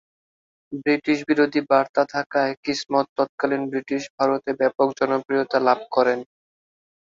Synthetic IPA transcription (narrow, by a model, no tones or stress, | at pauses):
bɾiʈiʃbiɾod̪ʱibaɾt̪at̪ʰakaekismɔt̪ːɔt̪̚kalinbɾiʈiʃbʱaɾot̪ebɛpok̚d͡ʑɔnopɾijot̪alab̚kɔɾen